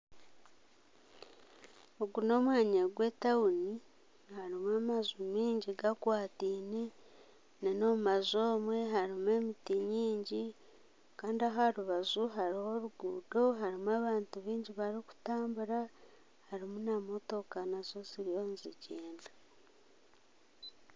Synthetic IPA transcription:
oɡuno̞mwaːɲeɡwe̞tauni | haɾimwamazumiːɲɟiɡakwaːtiːne | neno̞mazo̞ːmwe̞ɦaɾimue̞mitiɲiːɲɟi | kaːndiaɦaɾuβazuɦaɾiho̞ɾuɡuːdo̞ɦaɾimwaːβaːntuβiːɲɟiβaɾiku̥taːmbuɾa | haɾimunamo̞to̞kanazo̞ziɾijo̞nziɟeːnda

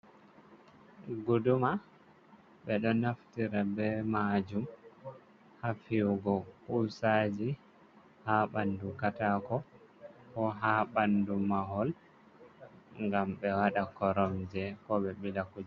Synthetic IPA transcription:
ɡuduma | ɓɛɗɔnaftiɾabɛmad͡ʒum | hafiwɡɔkusad͡ʒi | haɓandukatakɔ | kɔɦaɓandumaɦɔl | ŋɡamɓɛwaɗakɔɾɔmd͡ʒɛkɔɓɛɓilakud͡ʒɛ

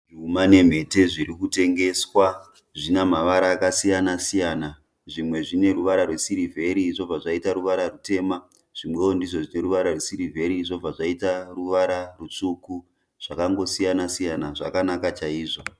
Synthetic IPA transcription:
rumane̞m̤e̞te̞ʐiɾikute̞ŋɡe̞swa | ʐinamaʋaɾaːkasijanasijaːna | ʐimwe̞ʐine̞ruʋaɾarwesiɾivʱe̞ɾiʐo̞b͡vaʐaitaɾuʋaɾarute̞ːma | ʐ̥imwe̞ondiʐo̞ʐine̞ɾuʋaɾarwesiɾivʱe̞ɾiʐo̞b͡vaʐaitaruʋaɾarut͡ʂuku | ʐ̥akaŋɡo̞sijanasijanaʐakanakat͡ʃaiːʐo̞

